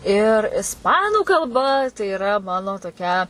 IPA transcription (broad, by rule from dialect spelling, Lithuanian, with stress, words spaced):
ɪr ɪsˈpɑːnuː kɐlˠˈbɐ tɐɪ ɪˈrɐ ˈmɑːnoː toːˈkʲɛ